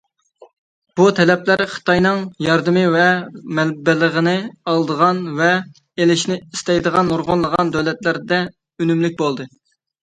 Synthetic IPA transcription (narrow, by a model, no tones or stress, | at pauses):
b̥ut̪ʰɛlɛplæɾχə̥t̪ʰɑjnɨŋjɑɾd̪ɨmɨvɛmɛlbɪləʁənɨɑlˠd̪əʁɑnvɛ | elɪʃnɪist̪ɛjd̪əʁɑnuɾʁʊnlˠəʁɑnd̪ɛlɛt̪læɾd̪ɛ | ynymlyk̚ʲbolˠd̪ɨ